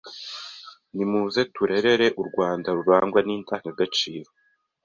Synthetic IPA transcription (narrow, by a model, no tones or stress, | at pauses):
nimuːze̞tuɾe̞ɾe̞ɾe̞ʔuɾɡwaːndaɾuɾaːŋɡwaniːntaːŋkaɡat͡ʃiːɾo̞